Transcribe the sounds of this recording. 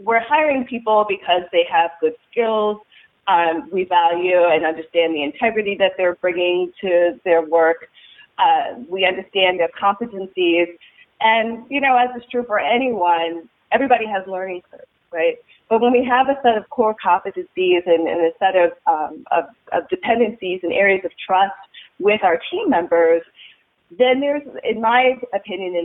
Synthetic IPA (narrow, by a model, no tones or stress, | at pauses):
wɪɹhaɪə˞ɪ̃ŋpʰipl̩ˠbɨkʰʌzðeɪəvɡʊd̥skɪlˠz̥ | ʌ̃mwivælˠjʉɨ̃nʌ̃ndə˞stæ̃nðiɨ̃ntʰɛɡɹɨɾiðɨt̪̚ðə˞bɹɪ̃ŋɪ̃ŋtʰɨðə˞wɜ˞k | ʌwiʌ̃ndə˞stæ̃nðə˞kʰɑ̃ɱfɨɾɨ̃nsiz | ʔɨ̃njɨnoʊɨzɨstʰɹ̥ʉfə˞ʔɛñiwʌ̃n | ʔɛvɹibɑɾiɨzlɜ̃˞nɪ̃ŋkʰə̰̥sɹaɪt̚ | b̥ʌt̚wə̃nwiəvɨsɛɾʌv̥kʰɔɹkʰɑfɨdɨzizɨ̃nɨ̰̃nɨsɛɾʌṽʌ̰vʌ̰vdɨpʰɛ̃ndɨ̃nsizɨ̃nɛɹiɨzʌv̥tʰɹ̥ʌst̚wɪðaʊə˞tʰĩmːɛ̃mbə˞z | ðɨ̃nðə˞zɪ̰̃nmaɪɨpʰɪ̃njɨ̃nɨ̃